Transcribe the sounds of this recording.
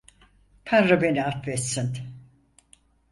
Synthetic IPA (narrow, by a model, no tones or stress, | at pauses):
pʰænɾabeniat̪vɛt̪sin